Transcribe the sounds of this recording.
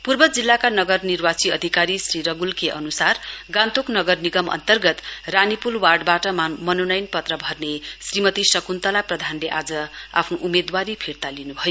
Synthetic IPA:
purbʌd͡zilːakanʌɡʌrnirwat͡siʌd̪ʱikaɾisriɾʌɡulkeʔʌ̰nusarɡãnt̪oknʌɡʌrniɡʌmʌ̰nt̪ʌrɡʌt̪ranipulwarɖbaʈʌmʌnonʌjnpʌt̪rʌbʱʌrnesrimʌt̪isʌkunt̪ʌlaprʌd̪ʱanleʔad͡zʌa̰pʰnoʔumed̪waɾipʰiɾt̪alinubʱʌjo

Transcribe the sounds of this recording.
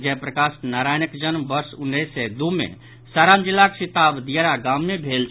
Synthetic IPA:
d͡ʒɛpɾəkasnaɾajnəkd͡ʒənmbəɾsʊnːesːɛd̪umḛ | saɾaːmd͡ʒilːaksit̪abd̪ijəɾaɡamːebʱelt͡ʃʰ

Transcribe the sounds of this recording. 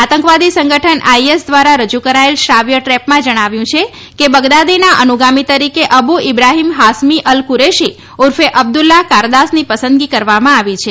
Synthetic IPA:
at̪əŋkʋad̪isəŋɡəʈʰənaiesd̪ʋaɾaɾəd͡ʒukəɾaelʃɾaʋjəʈɾɛpmãd͡ʒəɽ̃aʋjũt͡ʃʰe | kebəɡd̪ad̪inaʔənuɡamit̪əɾikeʔəbuɪbɾaɦimɦasmiʔəlkuɾeʃi | uɾfeʔəb̚d̪ulːakaɾd̪asnipəsə̃nd̪ɡikəɾʋamãaʋit͡ʃʰe

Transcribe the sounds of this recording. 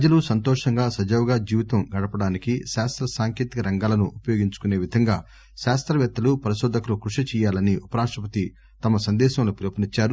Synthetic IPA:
pɐd͡ʒɐlusɐnt̪ɔːʂɐŋɡaːsɐd͡ʒɐʋɡaːd͡ʒiːʋit̪ɐmɡɐɽɐpɐɽaːnikiʃaːst̪ɾɐsaːŋkeːt̪ikɐɾɐŋɡaːlɐnuʔupɐjoːɡiɲt͡ʃu̥kune̞ːʋid̪ʱɐŋɡaː | ʃaːst̪ɾɐʋjɐt̪ːɐlupɐɾiʃɔːd̪ʱɐkɐlukɾuʂit͡ʃɛːjaːlɐniʔupɐɾaːʂʈɾɐpɐt̪i | t̪ɐmɐsɐnd̪ɛːʃɐmlupɾɐpɐnit͡ʃːaːɾu

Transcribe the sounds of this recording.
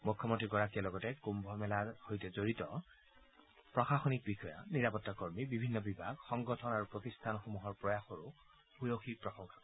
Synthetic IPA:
mukʰːɔmɔntɹiɡɔɹakijalɔɡɔtɛkumbʱɔmɛlaɹhojtɛzoɹitɔ | pɹɔxaxonik̚bixɔja̰niɹapɔtːakoɹmibibʱinːɔbibʱaɡxɔŋɡɔtʰɔnaɹupɹotistʰanxomuɦɔɹpɹɔjaxoɹu | bujoxik̚pɹɔxɔŋkḁ

